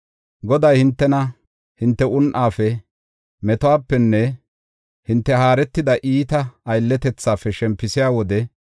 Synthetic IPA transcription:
ɡɔd̪ɐjhɪnt̪ːɛnɐ | hɪnt̪ːɛʔʊnʔaːfɛ | mɛt̪ʊaːpːɛnːɛ | hɪnt̪ːɛɦaːɾɛt̪ːɪd̪ɐʔiːt̪ɐːjlːɛt̪ɛt͡sːaːfːɛʃɛmpːɪsɪjaːwɔd̪ɛ

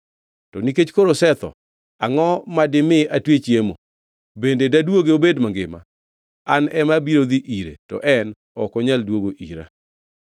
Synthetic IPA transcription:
tɔniket͡ʃkoɾosɛt̪ɔ̰ | aŋɔmadɪmɪatwet͡ʃjemo | bendedadwoɡeobedmaŋɡɪma̰ | anɛmabiɾod̪iʔiɾḛtɔ̰ʔɛn | ɔkɔɲaldwoɡoʔḭɾa̰

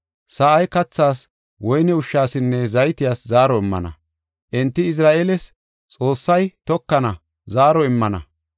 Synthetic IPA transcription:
saʔɐjkɐt͡sːaːs | wɔjnɛʊʃːaːsɪnːɛzɐjt̪ɪjaːszaːɾɔɪmːɐ̰nɐ̰ | ʔɛnt̪ːɪɪs̬ɾaːʔelɛs | t͡sʼo̞ːsːɐjt̪ɔkːɐnɐ | zaːɾɔɪmːɐnɐ̰

